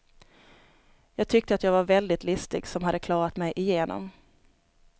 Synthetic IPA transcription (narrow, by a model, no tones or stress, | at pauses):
jɑːɡ̚t̪ʰʏk̚t̪əat̪jɑːɡvaɾvɛld̪ɪt̪lʏst̪ɪɡsɔmhad̪ːəkʰlɑːɾat̪mɛjʔɪjeːnʔɔ̰m